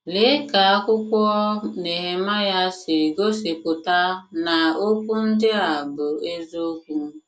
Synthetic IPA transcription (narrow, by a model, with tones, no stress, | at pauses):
le˦ka˨a˦kʷʊ˦kʷɔ˦ne˨ɦe˦ma˦ja˦sɪ˨ɡo˦se˨pʊ˨ta˦na˨o˦kʷu˦n̩˦dɪ˦a˨bʊ˨e˦zo˦kʷu˦